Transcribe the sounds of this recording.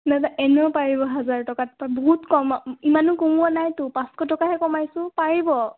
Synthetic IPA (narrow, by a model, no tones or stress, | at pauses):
nataʔɛnɛpaɹibɔɦazaɹtɔkatpabɔɦutkɔmimanʊkumuanajtʊpãskɔtɔkaɦɛkɔmajsʊ̃paɹibɔ